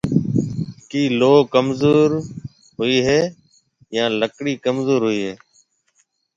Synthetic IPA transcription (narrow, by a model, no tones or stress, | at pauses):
kiːloːkəmzoːɾ | ɦʊiːɦeː | jãːləkɽiːkəmzoːɾɦʊiːɦeː